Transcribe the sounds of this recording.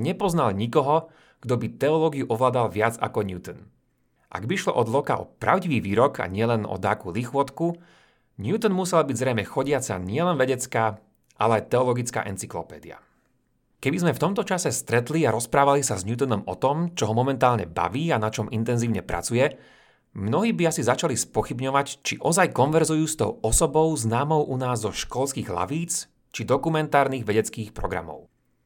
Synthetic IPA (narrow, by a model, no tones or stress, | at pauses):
ɲɛpɔznalɲikɔɦɔ | ɡ̥d̪ɔbit̪ɛɔlɔːɡiuʔɔʋlaːd̪alʋɪad͡za̰kɔɲjuːt̪ɔn | ʔa̰ɡbiiʃlɔ̰ʔɔd̪lɔkaʔɔ̰pɾa̰ʊɟiʋiːʋiːɾɔkʰa̰ɲɪɛlɛnɔ̰d̪aːkulixʊɔt̪ku | ɲut̪ɔnmusɛlbiɟzɾɛjmɛxɔɟɪat͡sa̰ɲɪɛlɛnʋɛɟɛt͡skaː | ʔalɛajt̪ɛɔlɔɡit͡ska̰ːʔɛnt͡siklɔpɛ̰ːd̪ḭa̰ | kɛbizmɛft̪ɔmt̪ɔt͡ʃasɛst̪ɾɛt̪liaɾɔspɾaːʋalisazɲuːt̪̬und̪ɔmɔt̪ɔmt͡ʃɔɦɔmɔmɛnt̪aːlɲɛ̰ba̰ʋiːanat͡ʃɔmʔint̪ɛnziːʊɲɛpɾʔa̰t͡sujɛ | mnɔɦiːbiasizat͡ʃalispɔxibɲɔʋact͡ʃiʔɔzajkɔnʋɛɾzujuːst̪ɔ̰ʊɔsɔbɔʊznaːmɔʊʔunaːzːɔʃkɔlskiːɣla̰ʋiːt͡s | t͡ʃid̪ɔkumɛnt̪aːɾniːɣʋɛɟɛt͡skiːxpɾɔɡɾa̰mɔ̰ʊ